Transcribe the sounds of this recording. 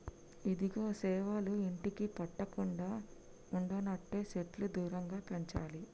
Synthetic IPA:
id̪iɡoːsɛːʋaːluiɳʈikipɐʈːɐkuɳɖaː | uɳɖɐnɐʈːe̞ːseʈlud̪uːɾɐŋɡaːpɐɲt͡ʃaːli

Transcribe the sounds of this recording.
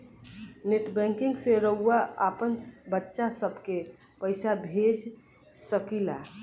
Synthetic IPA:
neʈbɛ̃ŋkɪ̃ŋɡseɾəɦuaapənbətːʃasəbʱke | pəɪsabʱed͡ʒ | səkila̰

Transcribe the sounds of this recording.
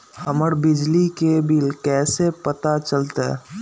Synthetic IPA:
həməɾbɪd͡ʒlikebɪlkɛːsepət̪at͡ʃəlt̪aɛ̰

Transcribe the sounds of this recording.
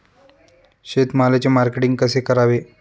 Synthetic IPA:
ɕet̪malet͡ɕemaɾkeʈiŋɡ̚kəsekəɾaʋe

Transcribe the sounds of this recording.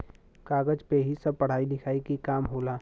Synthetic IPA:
kaːɡəd͡ʒpeɦisɐb̚pɐɽ̤aːinɪkʰaːikikaːmɦoːlaː

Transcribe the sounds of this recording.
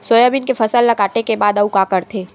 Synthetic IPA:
soːjaːbɪnkefʰɐsəlːɐkaːʈekebaːd̪ɐukakəɾt̪ʰeː

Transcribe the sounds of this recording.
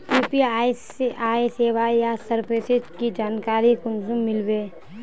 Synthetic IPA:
puːpia | aːiseːʋajasəɾpeːsɪd͡ʒkid͡ʒaːnkaːɾikʊnsumɪlbeː

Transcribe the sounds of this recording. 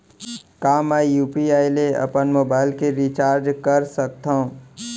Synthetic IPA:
kaːmɛjuːpiaːileɐ̰pənmoːbaːɪlkeɾit͡ʃaːɾd͡ʒkəɾsək̚t̪ʰã

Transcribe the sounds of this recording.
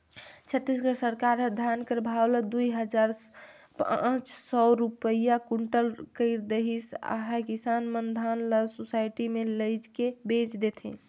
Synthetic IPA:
t͡ʃʰət̪ːisɡəsəɾkaɾəd̪ʱjankɾbʱawləd̪ujɦəd͡ʒaɾ | pãt͡ʃsɔɾupəjakuɳʈəlkəɪɾd̪eɦisa̰ɦakisanmənd̪ʱanləsusajʈimeləɪd͡ʒkebet͡ʃd̪et̪ʰḭ̃

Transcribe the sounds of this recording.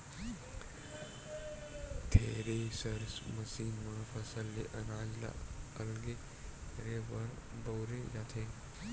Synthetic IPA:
t̪ʰeːɾesɐɾsmɐsiːnʋɐɽfɐsəlːeʔɐnaːzla̰ɐlɡe | ɾeʋɐɾboːɾejaːt̪ʰeː

